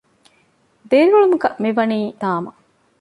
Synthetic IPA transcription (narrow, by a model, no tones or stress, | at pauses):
d̪eːɾiʋuɭumuɡɐʔmiʋɐniːd̪aːmɐ